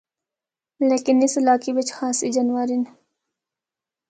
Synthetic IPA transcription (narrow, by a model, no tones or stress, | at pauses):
leːkɪnɪsɪlaːkibɐt͡ʃxaːsid͡ʒanʋaːɾɪn